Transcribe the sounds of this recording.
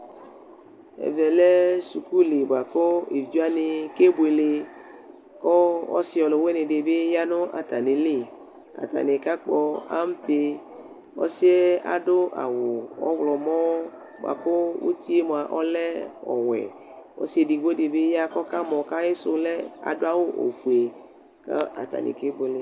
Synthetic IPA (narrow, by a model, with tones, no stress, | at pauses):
ɛ̰˨vɛ˨le˦su˨ku˦le˨ba˨ko˦e˨vu˦a˦ne˨ke˦bo˨e˨le˨ | kɔ˦ɔ̰˦si˦ɔ˨lɔ˨we˦ne˨ɖe˨be˦ja˦nʊ̃˦ʔa̰˨t̪a˨nẽ˨le˦˨ | a̰˨t̪a̰˨ne˨ka˦k͡pɔ˦a̰˦m˦pe˦ | ɔ̰˦se˦a̰˨ɖʊ˦ʔa̰˨wo˨ɔ̰˦wlɔ˨mɔ̃˦ | mo̰˨a̰˨ko˦wo̰˦t̪i˦e˦m˨a˨ʔɔ˦lɛ˦ɔ̰˨wɛ̰˨ | wɔ̰˦si˦e˨ɖi˨ɡ͡bo˦ɖe˨be˦ja˦kɔ˦ka˦mɔ̃˨ka˦e˦so˦lɛ˦a̰˨do˦a˦wo˦ʔo̰˨fu˨e˨ | ka̰˦a̰˨t̪a̰˨nḛ˨ke˦bo˨e˨le˦